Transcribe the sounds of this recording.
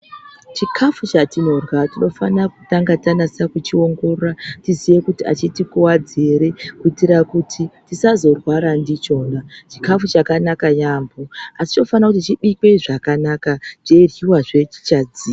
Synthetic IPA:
t͡ʃikʰafut͡ʃatino̞rwatino̞fanakutaŋɡatanasakut͡ʃio̞ŋɡo̞roratizije̞kutia̰t͡ʃitikuwad͡zeɾe̞kuitiɾakutʰitisazo̞rwaɾandit͡ʃo̞ːnat͡ʃi̥kafut͡ʃakanakajaːmboasi̥t͡ʃno̞fanakutit͡ʃiɓikeiʐakanakat͡ʃe̞rjiwaʐe̞t͡ʃi̥t͡ʃad͡ziː

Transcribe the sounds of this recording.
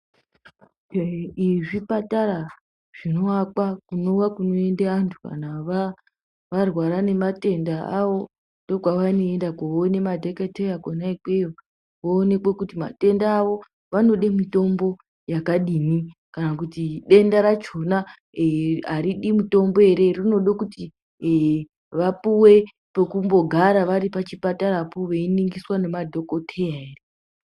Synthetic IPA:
iʐipataɾa | ʐ̥ino̞akwakuno̞ʋakuno̞e̞ndeantʰuka̰naʋa | ʋarwaɾane̞mate̞ndaaʋo̞ | ndo̞ɡwaʋaino̞endakoonemadʱeketejakonaike | ʋoːne̞kwekutima̰te̞ndaːʋo̞ | ʋano̞ɗemito̞mbo̞ | jakaɗinikanakutiɗe̞ndaɾat͡ʃo̞na | ɦaɾiɗimito̞mbo̞e̞ɾe̞rino̞ɗokuti | ʋapuwe̞ | pekumbo̞ɡʱaɾaʋaɾipat͡ʃipataɾapuʋeiniŋɡiswane̞madʱo̞kotʰejaeːre

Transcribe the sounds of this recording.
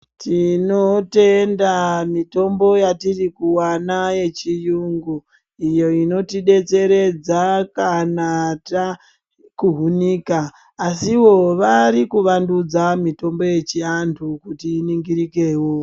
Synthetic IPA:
tinote̞ndamito̞mbo̞jatirikuwanaje̞t͡ʃijuŋɡu | ijo̞ino̞tiɗe̞t͡se̞ɾe̞d͡zakanata | kuɦunikaː | siwo̞ʋaɾikuʋandud͡zamito̞mbo̞je̞t͡ʃiantʰukutiːniŋɡiɾike̞ːwo

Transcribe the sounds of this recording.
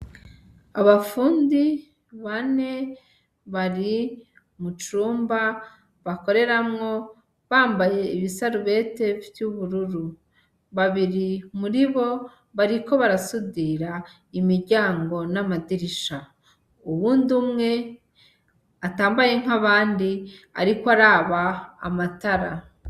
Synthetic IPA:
aβafuːndi | βane̞ | βaɾi | mut͡ʃuːmba | βako̞ɾe̞ɾamŋo̞ | βaːmbaje̞iβisaɾuβe̞ːte̞vjuβuɾuɾu | βaβiɾimuɾiβo̞ | βaɾiko̞βaɾasudiɾa | imiɾɟaːŋɡo̞namadiɾiʃa | uβuːndumŋe̞ | ataːmbaje̞ŋ̥aβaːndia̰ɾikoaɾaːβa̰ːmataɾa

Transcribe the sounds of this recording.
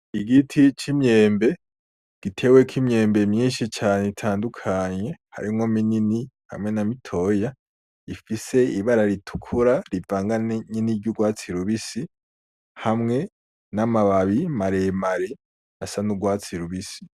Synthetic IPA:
iɡitʰit͡ʃimɲe̞ːmbe̞ | ɡ̥itʰe̞wekʰimɲe̞ːmbe̞mɲiːʃit͡ʃaːneitʰaːndukʰaɲe̞ha̰ɾimomininiha̰mŋe̞namitʰo̞ja | ifise̞iβaɾaɾitʰu̥kʰuɾaɾivaːŋɡaneɲiniɾɟuɡwaːt͡siɾuβisi | hamŋe̞ | namaβaβimaɾemaɾe | asanuɡwaːt͡siɾuβisi̥

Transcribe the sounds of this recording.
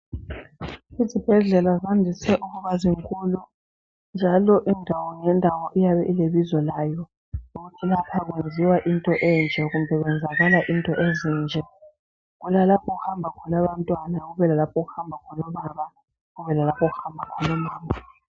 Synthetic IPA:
izib̥ʱɛɮɛlazandʱisɛʔuɣuβaziŋkʼulu | nd͡ʒʱalɔʔindʱawɔŋɛndʱawɔʔijaβɛʔileβizɔlaːjɔ | uɣutʰilapʰaɣ̬wend͡zʱiwaʔintʼɔʔɛnd͡ʒʱɛɣumbʱɛɣwɛnd͡zʱaɣalaʔintʼɔʔezind͡ʒʱɛ | ɣulalapʰɔɣuhambʱakʰɔnaβantʼwanaɣuβɛlalapʰɔɣuhambʱakʰɔnɔβaβa | ɣuβɛlalapʰɔɣuhambʱakʰɔnɔmaːmʱa

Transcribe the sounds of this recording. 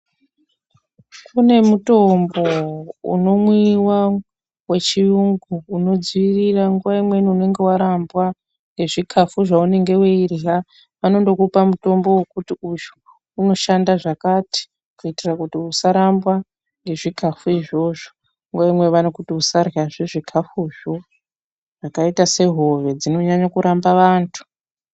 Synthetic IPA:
kʰune̞muto̞mbo̞ṵno̞mwiwa | we̞t͡ʃiuŋɡuːno̞d͡ziʋiriraŋɡuʋaimwe̞niune̞ŋɡe̞waɾambwa | ŋɡe̞ʐikʰafuʐaune̞ŋɡe̞weirɮa | ʋano̞ndo̞kupamuto̞mbo̞wekutiuʒu | uno̞ʃandaʐakati̥ | kuitirakutiusaɾambwa | ŋɡe̞ʐikafuiʐo̞ʐo | ŋɡuʋaimwe̞ʋanokutiusaraʐeʐikʰafuʒo̞ | ʐakaitase̞ɦo̞ʋe̞d͡zino̞ɲaɲakuɾʔambaʋaːntʰu̥

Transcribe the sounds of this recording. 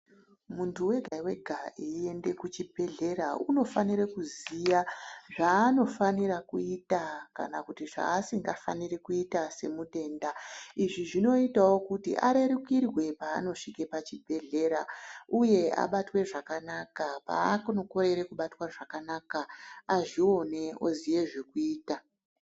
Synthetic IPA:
muntuwe̞ɡʱaiwe̞ɡʱaie̞nde̞kut͡ʃibʱe̞ɮe̞ɾauno̞faniɾekuzijaʐaːno̞faniɾakuitaka̰nakutiʐa̰ːsiŋɡafa̰nirekuitase̞mute̞ːndaiʐiʐino̞itawo̞kutḭʔa̰ɾe̞ɾukirwe̞pa̰ːno̞ʂike̞pat͡ʃibʱe̞ɮe̞ɾauje̞a̰ɓatwe̞ʐakanakapa̰ːkunoko̞ɾe̞ɾekuɓatwaʐakanakaaʐio̞ne̞o̞zije̞ʐekuiːta

